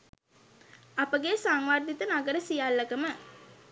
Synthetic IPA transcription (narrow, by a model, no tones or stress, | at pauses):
apəɡesaŋʋard̪it̪ənaɡəɾəsijalːəɡəmə